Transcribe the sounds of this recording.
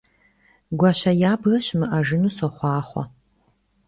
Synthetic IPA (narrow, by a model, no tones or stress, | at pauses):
ɡʷaɕɐjaːbɣɐɕmɨʔaʐɨnusoχʷɑːχʷɔ̰